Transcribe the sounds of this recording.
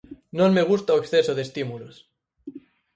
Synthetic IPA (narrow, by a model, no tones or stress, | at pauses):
nõnmeɣ̞ust̪aweksθesoðest̪imulos